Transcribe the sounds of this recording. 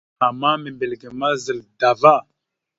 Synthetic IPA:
a˨ma˦me˨mbe˨lɡe˨ma˦zə˨lda˨va˦˨

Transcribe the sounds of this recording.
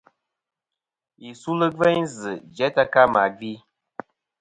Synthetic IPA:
i˨su˦lɨ˦vɛ˦ɲzɨ˨d͡ʒɛ˨˦ta˦ka˦ma˨ɡi˦

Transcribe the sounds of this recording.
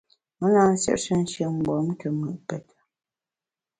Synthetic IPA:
mə˦laː˦n̩˦sjɛ̰˦ʔʃə˦n̩˦ʃə˨m̩˦˨ɡ͡bɔ˨˦m˦kʰə˨mə˨ʔpɛ˨t

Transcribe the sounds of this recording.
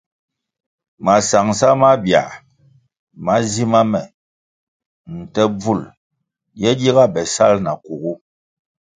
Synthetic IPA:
ma˨sa˨ŋsa˦ma˦bja̰˨ | ma˦zi˦ma˦mɛ˨ | n̩˨tɛ˦b͡vu˦˨l | jɛ˦di˦ɣa˦bɛ˨sa˦lna˨ku˨ɣu˦

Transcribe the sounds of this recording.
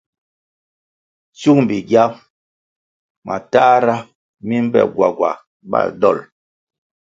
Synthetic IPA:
t͡ʃu˦ŋm˨bi˨ɡja˦m | mʔa˨ta˦ɾa˦ | mi˦m˦bɛ̰˨ɡwa̰˨ɡwa̰˨ | ba̰˦˨dɔ˦˨l

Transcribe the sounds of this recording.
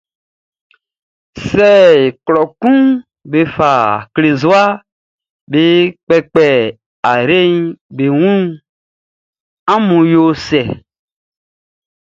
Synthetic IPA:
sɛ˦˨klɔ˨kũ˦ | be˨fa˨kle˨zo˦a˦ | be˨k͡pɛ˦k͡pɛ˨ | a˨ɾe˦nbe˨wũ˦ | ã˦mũ˨jo˦sɛ˨

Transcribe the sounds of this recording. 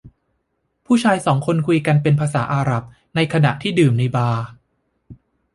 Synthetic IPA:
pʰuː˥˩t͡ɕʰaː˧jsɔː˩˦ŋkʰo˧nkʰu˧jka˧npe˧npʰaː˧saː˩˦ʔaː˧ɾa˨˩p̚ | na˧jkʰa˧na̰˨˩ʔt̪ʰiː˥˩dɯː˨˩mna˧jbaː˧

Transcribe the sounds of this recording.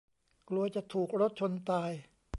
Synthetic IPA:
klu˧ɐt͡ɕa˨˩t̪ʰuː˨˩k̚ɾo˦˥t̪̚t͡ɕʰo˧nt̪aː˧j

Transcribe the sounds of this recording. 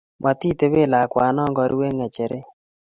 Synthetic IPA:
mʔa˨ti˦te˦βe˦˨la˨kwa˨˦nɔ˦ŋɡɔ˨ɾʔḭ˦we˦ŋɛ˨t͡ʃɛ˨ɾe˦

